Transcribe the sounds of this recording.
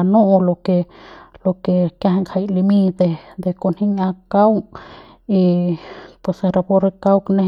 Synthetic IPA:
anõ˦ʔo˧lo˧ke˧lo˧ke˨kja˧ɦe˧ŋkʰa˧˨jli˧mi˧t̪e˧d̪e˧ko˧nhi˦ɲa˧ka˦w | i˧pwe˧˨sɾa˧po˦˧ɾe˧ka˦wkne˦

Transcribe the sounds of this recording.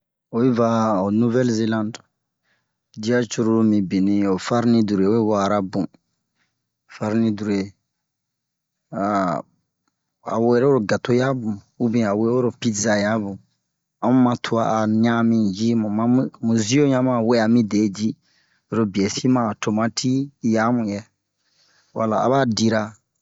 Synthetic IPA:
o˦i˦va˦o˨nu˦vɛ˦lze˦lã˦nd | d͡ʒi˦a˦t͡ʃu˦ɾu˦ɾmĩ˨bi˨nĩ˨o˨fa˦ɾnĩ˦du˨ɾe˨o˦i˦wɔ˦a˨ɾa˦bũ˨ | fa˦ɾnĩ˦du˨ɾe˨ | a˨ | a̰˨we˦ɾe˦o˦ɾo˨ɡa˨to˦ja˦bũ˨ | u˦bĩ˦˨a˨we˦o˦ɾo˨pi˦za˨ja˨˦bũ˨ | a˨˦mũ˦mã˧tʰu˦a̰˨a˨ɲ̃˦ã˦mĩ˨d͡ʒi˦mũ˨mã˨˦ũ˦mũ˨zi˦o˦ɲã˦mã˦˨we˦a˨mĩ˦de˨˦d͡ʒi˦ | o˨ɾo˦bi˨ɛ˨si˦mã˨to˨mã˦tʰi˦ja˦mũ˨jɛ˦ | wa˨la˨a̰˦βaː˦˨di˧ɾa˧

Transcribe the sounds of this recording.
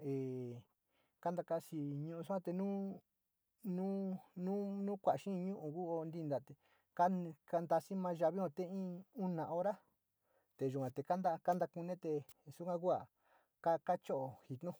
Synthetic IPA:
e˨ | ka˦nd̪a˧ka˧si˧ɲũ˧ʔũ˧s̬u˦ã˦t̪e˧nũː˦ | nũ˦nũ˦nũː˦kʷa˨ʃĩ˦˧ɲũ˦ʔu˨ku˦o˧nd̪i˧nd̪a˨t̪e˨ | ka˦˧ka˧nd̪a˧si˦mã˧˦ʒa˧βi˦hõ˧t̪e˦ĩ˦u˦nã˨o˦ɾa˦ | t̪e˨ʒu˨kʷã˨t̪e˨ka˦nd̪a˦˧ka˦nd̪a˧ku˧nẽ˦t̪e˧ | su˦kʷã˦ku˦a˨ | ka˦ka˦t͡ʃo˦ʔo˨hi˨t̪nũ˦

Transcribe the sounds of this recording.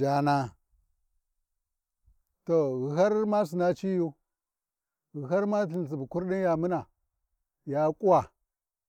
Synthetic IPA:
a˨na˦ | to˨ɣu˨ɦa˦ɾma˦s̬i˨na˦t͡ʃi˦ju˦ | ɣu˨ɦa˦ɾma˦ɬi˨n˨s̬i˨bu˨ku˦ɾɗi˦n˦ja˨mu˦na˨ | ja˨˦kʼu˦wa˨

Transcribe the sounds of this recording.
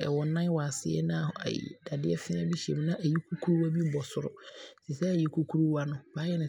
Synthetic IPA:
ɛ̰˨wɔ˨nã˦wa˨sɪ̰˨˦ɛ̰˦nã˦˨ha̰˨jḭ˨d̥a˨dɪ˦ɛ˦fɪ̃˦ã˦bi˦ɕi˨ɛ̰˨m˦nã˦ʔæ˨ji˦kʰu˦kʰu˦ɾu˦wa˦bi˦bɔ˨sʊ˨ɾʊ̰˨si˨sɛ˦˨ji˨kʰu˦kʰu˦ɾu˦wa˦nʊ̃˦baː˨˦jɛ˦nɪ̃˨

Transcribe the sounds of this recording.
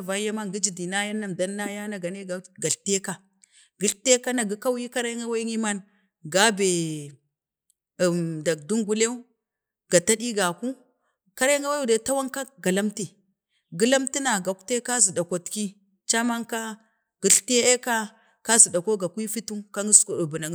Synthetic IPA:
va˨˦ja˦ma˦ŋɡi˦d͡ʒi˨di˨na˦ja˦nːa˨m˨da˦nːa˦ja˦na˨ɡa˨ne˦ɡa˨ɡa˨ɬte˦ka˨ | ɡi˨ɬte˦ka˦na˨ɡi˨˦ka˦wji˦ka˦ɾa˦ŋɡa˦wa˦i˦ŋi˦ma˦n | ɡa˦be˨ | da˨k̚du˦ŋɡu˦le˦u˦ | ɡa˨ta˦di˦ɡa˨ku˦ | ka˦ɾa˦ŋɡa˦wa˦u˨da˨˦ta˦wa˦ŋka˦ɡa˨la˦mti˨ | ɡi˦la˦mti˦na˨ɡa˨kte˦ka˦zi˨da˨kʷo˨tki˦ | t͡ʃa˦ma˦ŋka˦ | ɡ̥i˨ɬte˦e˦ka˦ | ka˦zi˨da˨ko˦ɡa˨kʷi˦fi˦tu˦ŋka˦ŋi˦sko˨u˨bu˨na˨ŋ˦

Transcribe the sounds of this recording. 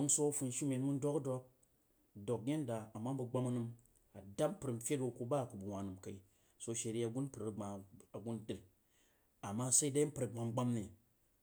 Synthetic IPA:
o˦ŋso˦fu˧n˦ʃi˦me˨tmu˦n̩˦do˦kdo˧k̚ | do˨k̚ɡʲe˦n˦da˨a˨ma˦bu˧ɡ͡ba˧mɐ˦nɨ˧m | a˨da˦m̩˦pɨ˨ɾm̩˦fʲe˦to˧ku˧ba˦˨ku˨bu˨wʷa˨nɨ˨mka˨i˦ | so˧ʃe˨ɾi˦a˨ɡu˦n˦pɨ˨ɾɨ˨ɡ͡ba˨a˨ɡu˦ndɨ˨l | a˨mːa˦sa˦i˦da˦i˦pɨ˨ɾa˨ɡ͡ba˨˧m˦ɡ͡ba˦mni˨

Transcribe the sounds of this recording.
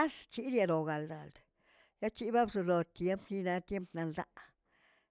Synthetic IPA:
a˦st͡ʃi˦d̪ja˧ɾo˨ɡa˨ld̪a̰˨ld̪̥ | ja˦t͡ʃi˦ba˦bzo˧lo˨t̪je˧˦mpni˦na˧t̪je˦mpna˧ld̪a̰˦ʔ

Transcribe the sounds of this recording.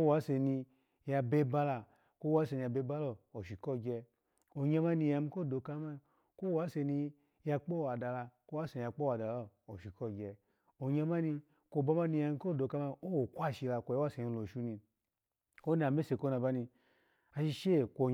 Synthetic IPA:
o˦wa˦se˧ni˧ | ja˧be˧˦ba˧la˧ | ko˦wa˨˦se˧ni˧a˧be˧˦ba˦lɔ˦o˨ʃi˨kɔ˦˨ɡʲɛ˧ | o˨ɲa˧ma˦ni˧ja˧mi˧˦ko˦˨do˧ka˦ma˧ | ko˦wa˨˦se˧ni˧ | ja˧k͡po˦˨wa˨da˧la˧ko˦wa˦se˧ni˧a˧k͡po˦wa˨da˨lɔ˦˨o˨ʃi˨kɔ˦˨ɡʲɛ˧ | o˨ɲa˧ma˦ni˧ | ko˧˨ba˧ma˦ni˧ja˧m˧˦ko˦˨do˨˧ka˧˦ma˧˦o˦wo˨kʷa˦˨ʃi˧la˧kʷo˧jwa˦se˨˧ni˧lo˨ʃu˦ni˧ | ko˦ni˦˨a˨me˦se˧˨ko˦na˧ba˦ni˧ | a˧ʃi˧ʃe˦˨kʷo˨

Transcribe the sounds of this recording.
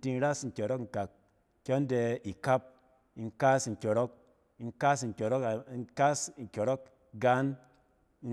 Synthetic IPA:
ti˧n˦ɾa˦sŋ̩˨kʲo˨ɾɔ˦kŋ̩˨ka˨k̚ | kʲo˦n˦de˧i˨ka˦p̚ | i˧ŋka˦s̩˧˨kʲɔ˨ɾɔ˦k̚ | i˧ŋka˦s̬ŋ̩˨kʲo˨ɾɔ˦kka˦sŋ̩˨kʲo˨ɾɔ˦k̚ | ɡa˦n | i˧

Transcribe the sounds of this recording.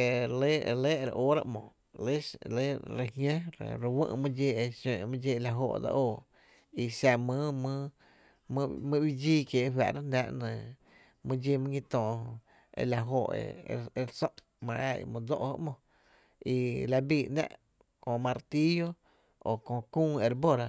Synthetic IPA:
e˧˨le˦e˧le˦˧ɾa̰˧˨ʔoː˦ɾa̰˧ʔmõ˨ | le˦le˦ɾe˧ɦjẽ˦ɾɾe˧wə̰̃˦˧ʔmɨ̃˦˧d͡ʒe˧e˧ʃẽː˧˨ʔmɨ̃˦d͡ʒe˧la˧ɦo˧˨ʔda̰˧ʔoː˧˨ | i˧sa˧˨mɨ̃˦mɨ̃˦ | m̃˦mɨ̃˦wi˦d͡ʒiː˦kje˨ʔɦwa̰˧˨ɾa˦nã˦ʔnə̃˨ | mɨ̃˦d͡ʒe˧mɨ̃˦ĩ˧t̪ɔ̃ː˨˧ | ḛ˧la˧ɦo˧˨ʔḛ˧e˧ɾsɔ̃˦ʔ | mã˧ʔa̰˧˨ḭ˧mõ˧d͡zo̰˦ʔho̰˦ʔmõ˧ | i˧la˧biː˧˨nã̰˦ʔ | kõ˧˨mã˧ɾt̪i˦jo˦ | o˨kõ˧kũː˦˧e˧ɾbo˦ɾa˧

